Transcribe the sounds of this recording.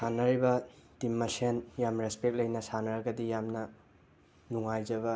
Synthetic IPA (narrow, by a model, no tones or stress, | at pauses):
sanɐɾibɐtimːɐsenjamɾespek̚lɐjnɐsanɐɾɐɡɐdijamnɐ | nuŋajd͡ʒɐβɐ